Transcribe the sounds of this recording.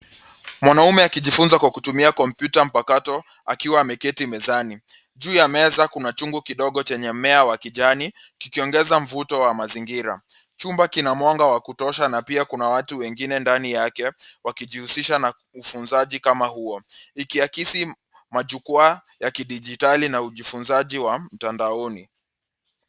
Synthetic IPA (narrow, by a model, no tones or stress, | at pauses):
mwanaumɛakiʄifunzakwakutumiakɔm̩pjutam̩pakatɔ | akiwaːmɛkɛtimɛzani | ʄuːjamɛzakunat͡ʃuŋɡukiɗɔɠɔt͡ʃɛɲɛmɛawakiʄani | kikiɔŋɡɛzam̩vutɔwamaziŋɡiɾa̰ | t͡ʃumbakinamwaŋɡawakutɔʃanapiakunawatuwɛŋɡinɛndanijakɛwakiʄihusiʃana | ufunzaʄikamahuɔikiakisi | maʄukua | jakiɗiʄitalinauʄifunzaʄiwam̩tandaɔni